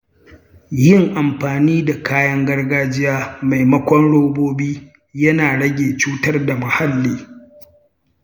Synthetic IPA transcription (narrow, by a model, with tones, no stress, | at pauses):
jɪ˦ŋʔa˨mɸaː˨niː˦da˨kaː˦jɐ˦ŋɡɐ˦rɡaː˦d͡ʒɪ˦jaː˦ma˨jmɐ˦kʷɔ˦nɽoː˦boː˦biː˦ | jɐ˦naː˨ɽɐ˦ɡʲeː˨t͡ʃuː˦tɐ˦rda˨mɐ˨ha˦lːiː˦